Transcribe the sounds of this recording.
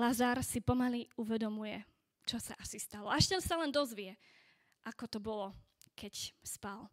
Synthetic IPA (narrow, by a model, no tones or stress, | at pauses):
lazaɾsipɔmaliuʋɛd̪ɔmujɛ | t͡ʃɔsa̰ʔasist̪alɔaʃt̪ɛnsalɛnd̪ɔzʋiɛ | ʔakɔt̪ɔbɔlɔkɛcspal